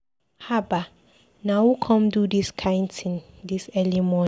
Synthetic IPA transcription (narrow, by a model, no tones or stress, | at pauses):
haba | nãwukʰɔ̃mdudiskʰãɪ̃ndtʰɪ̃ŋdisɛlimɔ̃